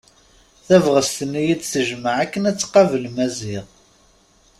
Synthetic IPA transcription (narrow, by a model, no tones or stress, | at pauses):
θævʁəst̪ənijid̪θəʒməʕækːənæt͡sːqɑvəlmæzɪʁ